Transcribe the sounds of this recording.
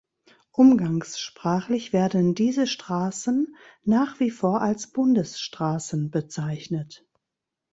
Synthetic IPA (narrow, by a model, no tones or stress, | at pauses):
ʔʊmɡaŋsʃpʁ̥aːχlɪçv̥eːɐdn̩diːzəʃtʁ̥aːsn̩ːaːχv̥iːfoːɐʔalsb̥ʊndəsʃtʁ̥aːsn̩bət͡saɪçnət